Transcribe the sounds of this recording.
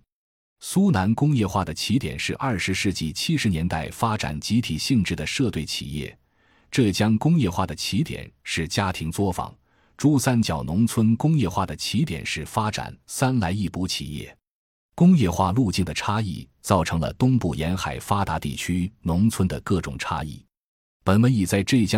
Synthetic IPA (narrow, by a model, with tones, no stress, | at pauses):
su˥na˧˥nkʊ˥ŋjɛ˥˧xwa˥˩d̪ə˩t͡ɕʰi˧˥t̪jɛ̰˨˩nʂɻ̩˥˧ʔɐ˞˥˩ʂɻ̩˧˥ʂɻ̩˥˧t͡ɕi˥˩t͡ɕʰi˥ʂɻ̩˧˥njɛ˧˥nt̪a˥˩ɪfa˥ʈ͡ʂa̰˨˩nt͡ɕi˧˥t̪ʰi˨˩ɕi˥˧ŋʈ͡ʂɻ̩˥˩d̪ə˩ʂɤ˥˧t̪we˥˩ɪt͡ɕʰḭ˨˩jɛ̰˥˩ | ʈ͡ʂɤ˥˧t͡ɕjɑ˥ŋkʊ˥ŋjɛ˥˧xwa˥˩d̪ə˩t͡ɕʰi˧˥t̪jɛ̰˨˩˦nʂɻ̩˥˩t͡ɕja˥t̪ʰi˧˥ŋt͡swɔ˥fɑ̰˨˩˦ŋ | ʈ͡ʂu˥˩sa˥nt͡ɕjɑ˨˩ʊnʊ˧˥ŋt͡sʰwə˥nkʊ˥ŋjɛ˥˧xwa˥˩d̪ə˩t͡ɕʰi˧˥t̪jɛ̰˨˩nʂɻ̩˥˩fa˥ʈ͡ʂa̰˨˩nsa˥nla˧˥ɪi˥˩pu˧˥t͡ɕʰḭ˨˩jɛ̰˥˩ | kʊ˥ŋjɛ˥˧xwa̰˥˧lu˥˧t͡ɕi˥˩nd̪ə˩ʈ͡ʂʰa˥ḭ˥˧t͡sɑ˥˩ʊʈ͡ʂʰɤ˧˥ŋlə̰˧t̪ʊ˥ŋpu˥˩jɛ˧˥nxa˨˩ɪfa˥t̪a˧˥t̪ḭ˥˩t͡ɕʰy˥nʊ˧˥ŋt͡sʰwə˥nd̪ə˨kɤ˥˩ʈ͡ʂʊ˨˩ŋʈ͡ʂʰa̰˥ḭ˥˩ | pə˨˩nmə˧˥ni˨˩t͡sa˥˧ɪʈ͡ʂɤ˥˧i˥˩t͡ɕjɑ˥